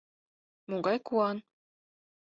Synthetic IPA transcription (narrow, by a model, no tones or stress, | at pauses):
moɡɑjkuɑn